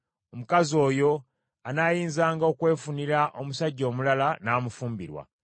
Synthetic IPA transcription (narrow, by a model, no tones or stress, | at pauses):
omukazo̞ːjo̞ | anaːjiːnzaːŋɡao̞kwe̞ːfuniɾaʔo̞musaɟːo̞ːmulalanaːmufuːmbiɾwa̰